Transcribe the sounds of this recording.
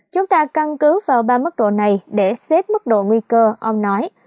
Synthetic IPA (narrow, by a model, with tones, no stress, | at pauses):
t͡ɕʊ˨˦ŋ͡mt̪aː˧ka˧nkɨ˨˦vaː˨˩wɓaː˧mɨ˦˥k̚ɗo̰˧˨na˨˩jɗe˧˩se˦˥p̚mɨ˦˥k̚ɗo̰˧˨ŋwi˧kəː˧ʔə˧wŋ͡mnɔ˨˦j